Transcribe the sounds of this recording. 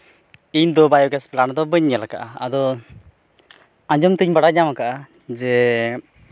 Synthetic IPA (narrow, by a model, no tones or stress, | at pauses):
iɲd̪ɔbajɔɡɛspland̪ɔbəɲːalakaʔaa̰d̪ɔ | aɲd͡ʒɔmt̪iɲbaɽaɲamakaʔa | d͡ʒɛ